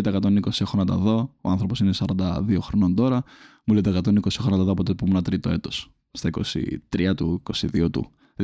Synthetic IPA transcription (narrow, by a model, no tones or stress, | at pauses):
t̪ekɐt̪oniniko̞sie̞xonɐt̪ɐ̰ðo̞oɐnθɾo̞po̞sinesɐɾɐnd̪ɐðio̞xɾono̞nd̪o̞ɾɐmuleot̪ekɐt̪oniniko̞sie̞xonɐt̪ɐðoɐpot̪epumunɐt̪ɾit̪o̞e̞t̪o̞s | st̪ɐiko̞̰sḭt̪ɾiɐt̪uiko̞sḭðiot̪ṵ